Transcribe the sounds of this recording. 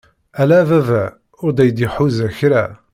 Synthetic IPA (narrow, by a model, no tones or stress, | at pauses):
ælæːvævæ | ʊɾd̪æjəd̪iħuzæçɾæ